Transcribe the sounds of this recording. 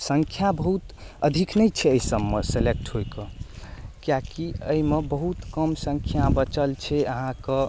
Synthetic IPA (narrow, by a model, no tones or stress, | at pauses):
səŋkʰjabəɦut̪ | əd̪ʱiknəjt͡ʃʰɛəjsəbmeselek̚ʈɦojkə̃ | kjakiəimebəɦut̪kəmsəŋkʰjabət͡ʃəlt͡ʃʰɛəɦãkə